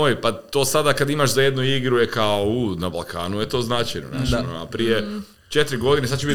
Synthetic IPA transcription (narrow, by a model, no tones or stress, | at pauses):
ojpat̪o̞ːsad̪akad̪imaʃzajed̪nuiɡɾujekaounabalˠkʰaːnujet̪o̞ːznat͡ʃajnona̰ʃt̪na̰pɾije | t͡ʃet̪ɾiɡo̞d̪inesad̪̚t͡ʃebit̪